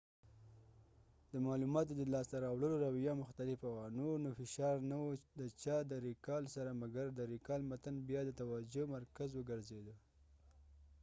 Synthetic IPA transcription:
d̪əmɑlumɑt̪od̪əlɑst̪aɾɑwɽəloɾawijɑmʊxt̪alɪfawanonofɪʃɑɾnawud̪ət͡ʃɑd̪əɾikɑlsaɾamaɡaɾd̪əɾikɑlmat̪anbjɑd̪ət̪awad͡ʒomaɾkazwəɡəɾzed̪ə

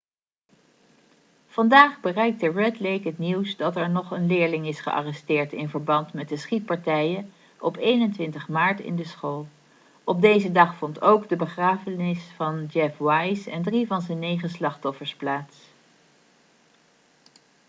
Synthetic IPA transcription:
v̥ɑndaːχbərɛjk̚dəɹɛtlejkətniwsdɑtɛɹnɔχənlɪːɹlɪŋɪsχə̰ʔɑ̰rɛstɪːɹtɪnvəɹbɑntmɛt̚dəsχit̚pɑɹtɛjə | ɔpejnəntʋɪntəχmaːɹtɪ̰ndəsχoːlˠ | ɔb̚dejzədɑχfɔntʰowɡdəbəχraːvənɪsfɑnd͡ʒɛfwɑjsɛndrivɑnzɛnːejχəslɑχtɔfəɹsplaːts

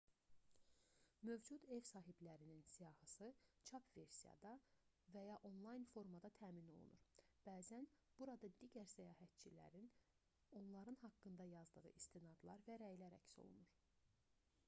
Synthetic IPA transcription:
mø̞vd͡ʒud̪e̞vsɑːɦiblæɾininsijɑhɯsɯt͡ʃʰɑpʰve̞ɾsijɑ̰d̪ɑ | væjɑʔo̞nlˠɑjnfo̞ɾmɑd̪ɑt̪ʰæːmino̞̰lˠṵnuɾb̥æːzæn | b̥uɾɑd̪ɑd̪iɟæɾsæjɑːɦæt̪̚t͡ʃʰilæ̰ɾin | o̞nlˠɑɾɯnhɑkːɯnd̪ɑjɑzd̪ɯʁɯ̰ʔist̪inɑd̪lˠɑɾvæɾæjlæɾæ̰cso̞̰lˠṵnuɾ

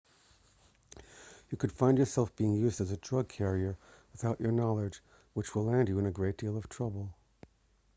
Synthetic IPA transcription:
jɨkʰɨd̥fãɪ̃nd͡ʒjə˞sɛlˠfb̥iɪ̃ŋjʉzdɨzɨdɹʌɡ̚kʰɛɹiə˞wəθaʊt͡ʃə˞nɑlˠɪd͡ʒ | wət͡ʃwəlæ̃nd͡ʒɨɨ̃nɨɡɹeɪt̚d̥ilˠʌv̥tʰɹ̥ʌbl̩ˠ

